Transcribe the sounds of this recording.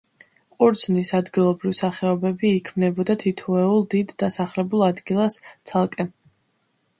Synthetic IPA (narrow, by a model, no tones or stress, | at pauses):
qʼuɾd̪znisad̪ɡilˠɔbɾivsaχɛɔbɛbiːkʰmnɛbɔd̪at̪ʰit̪ʰɔɛulˠd̪id̪ːasaχlɛbulˠad̪ɡilˠast̪sʰalˠkʼɛ